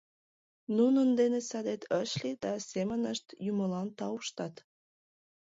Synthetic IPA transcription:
nunənd̪enesɑd̪et̪ʰəʃlid̪ɑsemənəʃt̪juməlɑnt̪ɑwuʃt̪ɑt̪

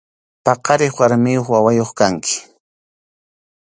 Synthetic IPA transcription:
pɑqɑɾɪχwaɾmɪjoχwawajoχkaŋkʰɪ̥

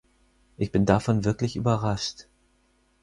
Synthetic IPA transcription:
ʔɪçb̥ɪndafɔnvɪɐklɪçʔy̰ːbɐʁaʃt

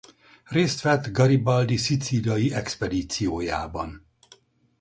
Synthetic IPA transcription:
reːst̪ʋɛt̪ɡɒɾibɒld̪isit̪silijɒjiɛkspɛd̪iːt̪sijoːja̰ːbɒ̰n

